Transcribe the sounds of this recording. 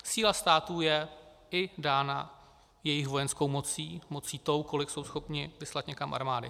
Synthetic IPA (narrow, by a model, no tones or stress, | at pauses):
siːlast̪aːt̪uːjɛ | ɪdaːna̰ | jɛjɪxvo̞jɛnsko̞wmo̞t͡siːmo̞t͡siːt̪o̞wko̞lɪkso̞wsxo̞pɲɪvɪslat̪ɲɛkamʔa̰ɾmaːdɪ̰